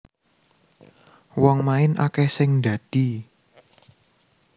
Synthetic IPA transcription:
wɔŋmaɪna̰kɛhsɪŋɖä̤d̪̥i̤

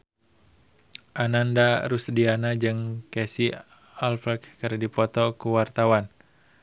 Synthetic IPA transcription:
ʔanandaɾusdianad͡ʒɨŋkɛsi | alfɛkkəɾdipɔt̪ɔkuwart̪awan

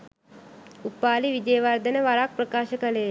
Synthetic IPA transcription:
upːaːliʋid͡ʒəjəʋaɾd̪ənəʋaɾak̚pɾəkaːʃəkəleː

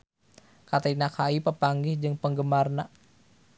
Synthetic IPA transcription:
kat̪ainakʰaipəpaŋɡɪhd͡ʒɨŋpəŋɡəmarna

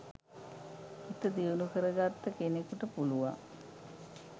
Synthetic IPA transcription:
it̪əd̪iunukəɾəɡat̪ːəkenekuʈəpuluʋa̰

